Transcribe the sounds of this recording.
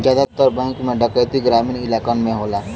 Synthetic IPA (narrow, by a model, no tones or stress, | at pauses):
d͡ʒad̪at̪ːɔɾbɛ̃ŋkmẽɖəkət̪iɡɾaminilakɔnmẽɦola